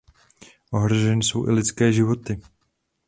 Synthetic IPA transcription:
ʔo̞ɦɾoʒɛnɪso̞wʔɪ̰lɪt͡skɛːʒɪvo̞t̪ɪ

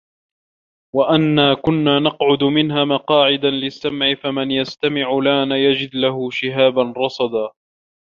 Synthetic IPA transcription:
waʔanːaːkʊnːaːnɑqʕʊd̪ʊmɪnɦaːmɑqɑːʕɪd̪anlɪsːamʕɪfamanjast̪amɪʕʊlaːnajad͡ʒɪd̪laɦʊʃɪɦaːbanɾˤɑsˤɑd̪aː

